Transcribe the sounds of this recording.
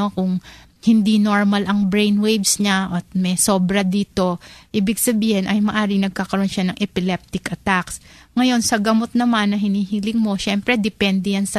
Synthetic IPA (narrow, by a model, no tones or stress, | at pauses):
okʊŋ | hɪnd̪ino̞ɹmɐlʔɐŋbɾejnwejbsɲaʔɐt̪̚mɛso̞ːbɾɐd̪iːt̪o̞ʔiːbɪɡsɐbiːhɪnʔɐjmɐʔaːɾɪŋnɐɡ̚kaːkɐɾo̞nʃanɐŋʔɛpɪlɛp̚t̪ɪkʔɐt̪aksŋɐjo̞nsɐɡɐmo̞t̪̚nɐmanːɐɦɪniːhiːlɪŋmo̞ʃɛmpɾɛd̪ɛpɛnd̪ɛjansɐ